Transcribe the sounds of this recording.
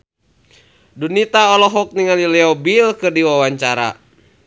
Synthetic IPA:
dunit̪aɔlɔɦɔk̚niŋalilɛɔbilkɨrdiwawaɲt͡ʃaɾa̰

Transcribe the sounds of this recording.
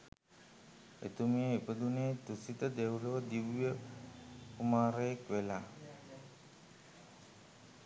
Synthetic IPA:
ḛt̪umijəipəd̪unet̪usit̪əd̪ewləʋəd̪iʋijə | kumaːɾejekʋelaː

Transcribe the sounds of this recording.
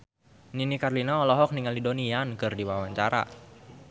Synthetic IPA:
ninikarlinaɔlɔɦɔk̚niŋalidoniankɨrdiwawaɲt͡ʃaɾa̰

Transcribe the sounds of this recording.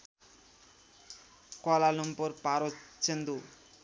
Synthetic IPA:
kɔlalumpoɾpaɾot͡ʃend̪u

